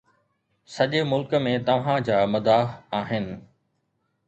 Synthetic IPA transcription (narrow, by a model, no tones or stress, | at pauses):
sɐʄemʊlkmẽt̪ɐʋ̤ãd͡ʑaːmʊd̪aːɦaːɦɪnɪ̆